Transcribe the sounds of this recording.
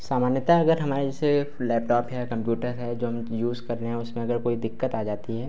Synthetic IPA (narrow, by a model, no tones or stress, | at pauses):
saːmaːnjət̪aɐɡəɾɦɐmaːɾed͡ʒɛːse | lɛːp̚ʈɔːpɦɛkɐ̃mpjuːʈəɾɦɛd͡ʒoːɦɐmjuːzkɐɾneɦɛ̃ʊsmẽɐɡəɾkoːid̪ɪkːət̪aːd͡ʒaːt̪iɦɛː